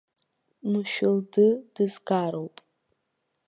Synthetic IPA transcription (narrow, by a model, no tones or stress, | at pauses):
mɨʃᶣʊldɨd̥ɨzɡaːɾowpʼ